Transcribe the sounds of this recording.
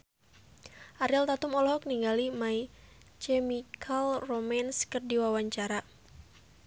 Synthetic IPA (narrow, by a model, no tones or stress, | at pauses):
ʔaɾilt̪at̪umɔlɔɦɔk̚niŋɡalimai | t͡ʃɛmikʰalromanskɨrdiwawaɲt͡ʃaɾa